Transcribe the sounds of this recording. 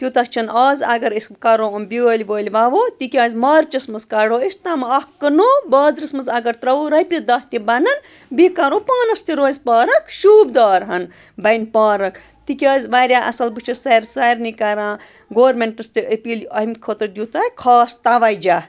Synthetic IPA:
t̪ʲjut̪ɐkt͡ʃʰɐnɐːzɐɡɐɾiskɐɾoɐmbʲioːlʲʋoːlʲʋaʋoːt̪ikʲɐːzʲmɐːɾt͡ʃɐsmɐzkɐɽoːest̪amɐɐhkːɐnoːbɐːd̪ɾɐsmɐzɐɡɐɾt̪ɾɐuɾɐjpʲid̪ɐːht̪ibɐnɐn | bikɐɾoːpaːnɐst̪iɾoːzʲpaːɾɐkʃuːbd̪aːɾɦɐn | bɐjnpaːɾɐk | t̪ikʲaːzʲʋaːɾjaːʔɐ̰sɐlbɨt͡ʃʰisɐɾsɐjɾnikɐɾãː | ɡoːɾmeɳʈɐst̪ɨʔəpilɐɦmʲkʰot̪ɐd̪jut̪akʰɔːst̪aʋajd͡ʒa

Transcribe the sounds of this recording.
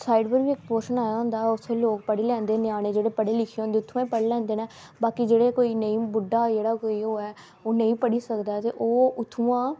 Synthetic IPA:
saːɪɖpəɾʋiːɪkpoːɾʃənaːjaːɦʊ̃nd̪aːʊt̪ʰːeloːkpəɽeːlɛ̃ːnd̪eːneaːɽ̃eːd͡ʒeːɽeːpəɽeːlɪkʰeːõnd̪eːʊt̪ʰːũãipəɽeːlɛ̃ːnd̪eːnɛː | baːkid͡ʒeːɽeːkoːiːnəĩːbʊɖaːd͡ʒeːɽaːkoːiːɦoːɛː | oːnəĩːpəɽiːsəkd̪aːt̪eːʔoːʊt̪ʰːuːãː

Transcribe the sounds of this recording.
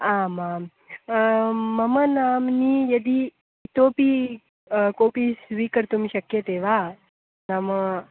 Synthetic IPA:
aːmaːm | mɐmɐnaːmniːjɐd̪i | t̪oːpi | koːpisʋiːkəɾt̪umiʃɐkjɐt̪eːʋaː | namɐ

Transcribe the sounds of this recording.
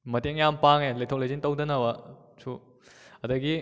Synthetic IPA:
mɐteŋjampaŋelɐjtʰowlejzintɐwdɐnɐwɐ | sʰu | ɐdɐɡi

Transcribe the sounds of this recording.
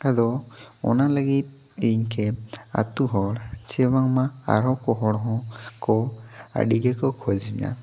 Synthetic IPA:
adɔ | ɔ̰nalaɡit̪̚ | eɲkʰɛa̰tuɦɔɽt͡ʃɛbaŋmaa̰ɾɔkɔɦɔɽɔɦɔ̃kɔa̰ɖiɡɛkɔkʰɔd͡ʒiɲa̰

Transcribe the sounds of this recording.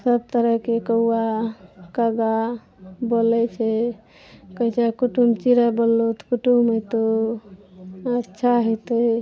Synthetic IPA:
səb̚t̪əɾəɦkekəuakəɡa | bolɛt͡ʃʰɛ | kət͡ʃʰɛkuʈumt͡ʃiɾəbəlːot̪kuʈumet̪o | ətːʃʰaɦɔt̪ə

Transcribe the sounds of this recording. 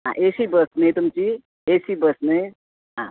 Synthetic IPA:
ɦã̰ʔesibəsnəjt̪umt͡ʃi | esibəsnə | ɦã

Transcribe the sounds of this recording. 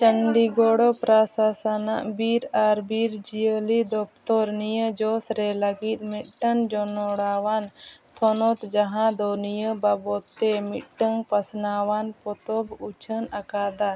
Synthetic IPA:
t͡ʃəŋɖiɡɔɽɔpɾasasana̰ʔbiɾaɾbiɾd͡ʒijəlid̪ɔp̚ʰt̪ɔɾnijəd͡ʒɔsɾɛləɡit̪̚ˀmit̪̚ʈənd͡ʒɔnɔɽawant̪ʰɔnɔt̪d͡ʒaɦãd̪ɔnijəbabɔt̪ːɛmit̪̚ʈəŋpəsnawanpɔt̪ɔbut͡ʃʰənakad̪a

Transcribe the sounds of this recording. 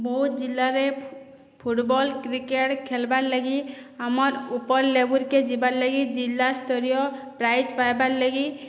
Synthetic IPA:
bɔɦut̪̚d͡ʒilːaɾe | pʰuʈbɔlkɾikeʈkʰɛlbaɾlaɡiamɔɾupɔɾlebuɾked͡ʒibaɾlaɡid͡ʒilːast̪ɔɾijɔpɾajd͡ʒpajbaɾlaɡi

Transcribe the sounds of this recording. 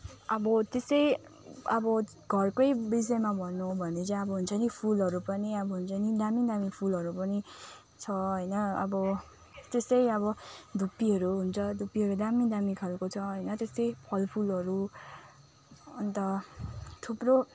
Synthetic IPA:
ʌbʌt̪esʌj | ʌbʌ | ɡ̥ʱʌrkojbis̬ʌemabʱʌnːubʱʌnet͡sʌʌbʌɦunt͡sʰʌnipʰulʌɾupʌniʌbʌɦunt͡sʰʌnid̪amid̪amipʰulɦʌɾupʌni | t͡sʰʌɦʌjnʌʌ̰bʌ | t̪esʌjʌβʌd̪ʱupːiɦʌɾuɦunt͡sʰʌd̪ʱupːiɦʌɾud̪amid̪amikʰʌlkot͡sʰʌɦʌjnʌt̪est̪ʌjpʰʌlpʰulʌɾu | ʌnt̪ʌ | t̪ʰupro

